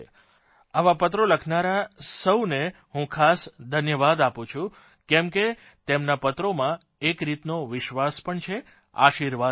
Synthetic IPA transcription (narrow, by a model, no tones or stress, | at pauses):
aʋapət̪ɾoləkʰnaɾasəwne | ɦũkʰasd̪ʱənjəʋad̪apũt͡ʃʰũ | kɛmke | t̪emnapət̪ɾomã | ekɾit̪noʋɪʃʋaspəɳt͡ʃʰe | a̰ʃiɾʋa